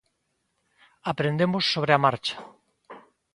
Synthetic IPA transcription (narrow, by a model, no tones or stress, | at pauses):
apɾend̪emosːoβɾeamaɾt͡ʃḁ